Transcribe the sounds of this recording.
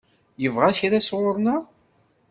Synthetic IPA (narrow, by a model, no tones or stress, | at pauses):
jəvʁaçɾasʁʊɾˤnaʁ